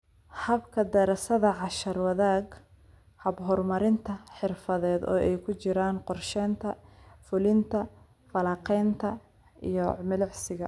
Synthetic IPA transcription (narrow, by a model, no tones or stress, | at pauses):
hɐbkʰɐd̪ɛɾɐsɐðɐʕɑʃɐrwɐðaːɡ | hɐbɦɔrmɐɾɪnt̪ʰɐħɪrfɐðɛːd̪ɔ̰ːʔɛjkʰʊt͡ʃɪɾaːnqɔrʃɛːnt̪ʰɐfʊlɪnt̪ʰɐ | fɐlɑːqɛjnt̪ʰɐ | ḭjɔmɪlɪʕsɪɣɐ